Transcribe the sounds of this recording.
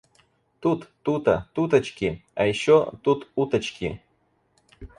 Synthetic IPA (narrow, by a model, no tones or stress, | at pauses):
t̪ut̪ːut̪a̰t̪ut̪ət͡ɕkʲia̰jɕot̪ut̪ut̪ət͡ɕkʲḭ